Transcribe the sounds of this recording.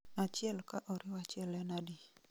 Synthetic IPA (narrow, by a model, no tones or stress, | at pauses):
at͡ʃɪɛlkaʔɔɾɪwat͡ʃɪɛlɛnadi